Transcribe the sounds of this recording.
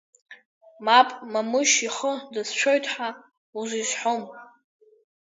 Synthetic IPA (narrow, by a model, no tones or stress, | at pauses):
mapʼmamɨʃiχədɨst͡ʃʷʰojtʰʼħa | uzʷisħom